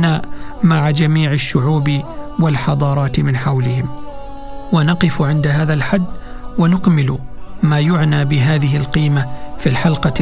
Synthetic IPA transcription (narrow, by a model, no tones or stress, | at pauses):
naːmaʕad͡ʒamiːʕɪʃːʊʕuːbɪwalħɑd̪ˤɑːɾˤɑːt̪mɪnħawlɪhɪm | wanɑqɨfʕɪnd̪aɦaːðalħad̪ː | wanʊkmɪlmaːjʊʕnaːbɪɦaːðɪɦɪlqiːmafiːlħalqɑ